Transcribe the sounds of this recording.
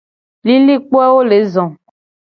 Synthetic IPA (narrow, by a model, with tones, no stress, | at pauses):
li˦li˦k͡po˦ɛ˦wo˦le˨˦zɔ̃˨